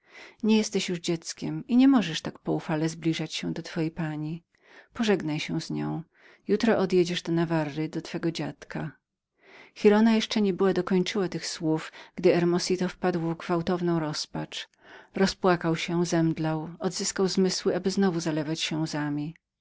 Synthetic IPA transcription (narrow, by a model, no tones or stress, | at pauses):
ɲɛjɛst̪ɛɕjuʐd͡ʑɛt̪skʲɛmiɲɛmɔʐɛʂt̪akpɔufalɛzblʲiʐat͡ɕɕɛ̃d̪ɔt̪fɔjejpaɲi | pɔʐɛɡnajɕɛw̃zɲɔ̰̃w̃ | jut̪ɾɔʔɔd̪jed͡ʑɛʐd̪ɔnavarːɘd̪ɔt̪fɛɡɔd͡ʑat̪kʰa | xʲiɾɔnajɛʂt͡ʂɛɲɛbɘwad̪ɔkɔɲt͡ʂɘwat̪ɘxswufɡ̥d̪ɘɛɾmɔsʲit̪ɔfpad̪wɔvɡvawt̪ɔvnɔ̃w̃ɾɔspat͡ʂ | ɾɔspwakawɕɛzɛmd̪lawɔd̪zɘskawzmɘswɘabɘznɔvuzalɛvat͡ɕɕɛzamʲi